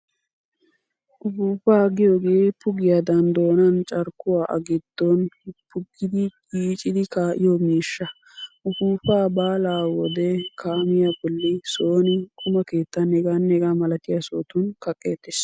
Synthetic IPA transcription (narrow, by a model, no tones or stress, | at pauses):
ʔʊbuːpaːɡɪjoːɡeːpʊɡɪjad̪ɐnd̪o̞ːnɐnt͡ʃʼɐɾkːʊwaːʔɐ̰ɡɪd̪̥ːɔnpʰʊɡɪd̪ɪɡiːt͡ʃʼɪd̪ɪkaːʔɪjɔmiːʃːɐ | ʔʊbuːpaːbaːlaːwɔd̪ɛkʰaːmɪjabɔlːɪso̞ːnɪkʼʊmɐke̞ːt̪ːɐnɛɡaːnːɛɡaːmɐlɐt̪ɪjasoːt̪ʊnkɐkʼːeːt̪ːɪs